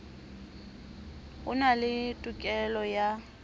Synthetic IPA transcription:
ɣʊnalɪtʼʊkʼɛlɔja

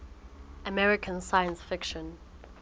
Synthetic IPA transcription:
əmɛɹɪkʰə̃nsajə̃nsfɪkʃə̃n

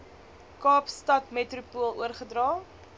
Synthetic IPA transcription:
kɑːpstɐtmetrupulˠuərχədrɑː

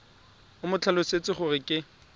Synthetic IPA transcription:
ʊmʊt͡ɬʰalʊset͡sʼɪχʊrɪkʼɪ

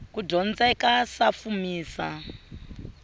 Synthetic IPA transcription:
kudɔnd͡zaikasafumiːsa

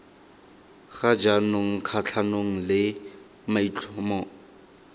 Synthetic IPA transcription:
χad͡ʒanoŋ̩kʰat͡ɬʰanoŋ̩lɪ | mait͡ɬʰʼɔmɔ

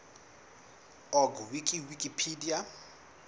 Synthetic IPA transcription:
ɔɡwikʼiwikʼipʰidia

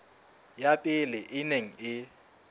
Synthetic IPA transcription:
japʼɪlɛʔɪneŋ̩ɪ

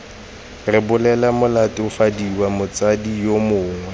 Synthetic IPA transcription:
rɪbʊlɛlamʊlatʼɪʊfadiwamʊt͡sʼadijomʊːŋwɛ

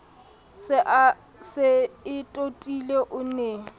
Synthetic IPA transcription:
sɪʔ | sɪɪtʼotʼileʔʊneː

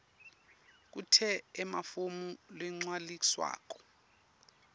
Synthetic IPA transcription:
k̬utʰɛːmafomulɛŋ͡ǀwalik̬ʼi̥swa̰ːk̬ɔ̥

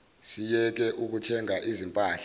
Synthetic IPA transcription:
sijɛk̬ɛʔuk̬utʰɛŋʱaʔizimpʼaːɬa

